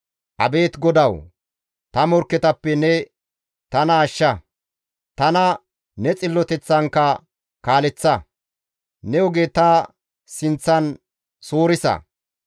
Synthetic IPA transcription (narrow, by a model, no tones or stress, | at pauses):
ʔɐ̰be̞ːt̪ɡɔd̪ɐw | t̪ɐmɔɾkːɛt̪ɐpːɛnɛ | t̪ɐnɐːʃːɐ | t̪ɐnɐ | nɛt͡sʼɪlːɔt̪ɛt͡sːɐŋkːɐ | kaːlɛt͡sːɐ | nɛɔɡeːt̪ɐ | sɪnt͡sːɐn | soːɾɪsɐ̰